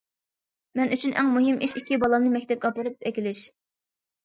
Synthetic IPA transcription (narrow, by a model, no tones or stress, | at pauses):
mɛnyt͡ʃʰynʔɛ̰ŋmuɦɨmʔiʃikʲʰːibɑlˠɑmnɨmɛkʲt̪ɛp̚ɡɑpɨɾɨpʰɛkʲilɪʃ